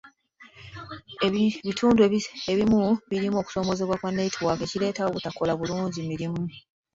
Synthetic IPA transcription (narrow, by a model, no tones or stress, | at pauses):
eβitʰuːndueeβimuβiɾimuo̞ːku̥so̞ːmo̞ze̞βwakwanːeitʰiwake̞cile̞ːtaoβutako̞laβuluːɲɟimiɾimu